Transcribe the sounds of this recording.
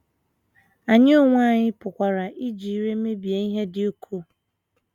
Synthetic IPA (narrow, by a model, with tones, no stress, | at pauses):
a˨ɲɪ˦o˦ŋʷ˦a˦˨ɲɪ˦pʊ˨kʷa˨ɾa˨ʔi˦d͡ʒi˨i˨ɾe˦me˦bi˨e˨i˦ɦe˦dɪ˨o˦kʰu˦